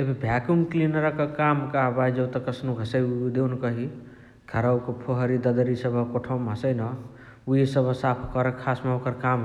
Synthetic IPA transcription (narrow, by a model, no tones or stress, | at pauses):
ebʱibʱjakuŋklinəɾəkəkamkabajd͡ʒəwt̪ɔkəsnuɡʱəsəjd̪ewnkəɦi | ɡ̪ʰʱəɾawkepʰoɦəɾid̪əd̪əɾisəbʱəkoʈʰəwməsəjnʌ | usəbʱsapʰkɔɾekʰasmaokəɾkam